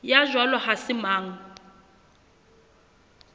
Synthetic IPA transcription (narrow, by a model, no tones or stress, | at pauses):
jaʒwalɔhasɪmaːŋ̩